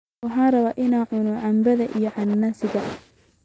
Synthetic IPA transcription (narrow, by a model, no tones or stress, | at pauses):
wɑħɑːrɐβaːʔɪnaːʕʊnɔʕɑmbɐðɐʔijɔʕɑnːasɪɣɐʔ